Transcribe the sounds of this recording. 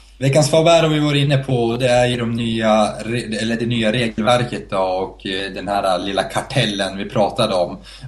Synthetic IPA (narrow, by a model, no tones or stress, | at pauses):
vɛkːansfɑːbæɾɔvɪvaɾəɪnːəpʰɔd̪ɛæɾjɵd̪ɔmnyːaɾɛlːəɖɛnyːaɾeːɡəlvæɾkət̪̚d̪ɔɔkd̪ɛnhæːɾalɪlːakʰaʈʰɛlːənvɪpʰɾɑːt̪ad̪əɔm